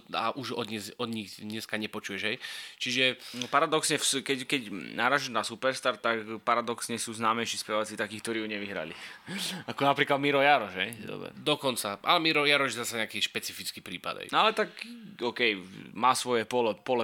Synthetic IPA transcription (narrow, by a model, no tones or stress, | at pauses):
a̰ʔuʒɔd̪ɲɛzɔd̪ɲiɣd̪ɲɛskaɲɛpɔt͡ʃujɛʒɦɛjt͡ʃiʒɛpaɾad̪ɔksɲɛfskɛckɛcnaːɾaːʒɛʒnasupɛɾst̪aɾt̪akpaɾad̪ɔksɲɛsuːznaːmɛʃispɛʋat͡sit̪akiːkt̪ɔɾiːjuɲɛʋiɦɾa̰li | akɔnapɾiːklad̪̚miɾɔjaɾɔʒɦɛjd̪ɔ̰bɾɛ̰d̪ɔkɔnt͡saʔa̰lɛmiɾɔjaɾɔʒɛzasaɲɛakiːʃpɛt͡sifit͡skiːpɾḭːpa̰d̪ɦɛ̰jalɛt̪akɔːkɛjmaːsʋɔjɛpɔlɛpɔlɛ